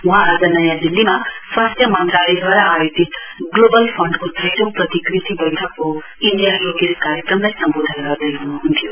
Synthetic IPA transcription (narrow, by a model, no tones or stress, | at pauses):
ũɦãːd͡zʌnʌjãd̪ilːimaswast̪ʰjʌmant̪ɾalid̪ʱwaɾaːjot̪it̪ | ɡlobʌlpʰʌɳɖkot̪ʰejʈopɾʌt̪ikɾit̪ibʌjʈ̪ʰʌkːo | iɳɖijajoɡeɾkaɾjekɾʌmlajsʌmbod̪ʱanɡʌɾd̪ʌjɦunuɦunt̪ʰjo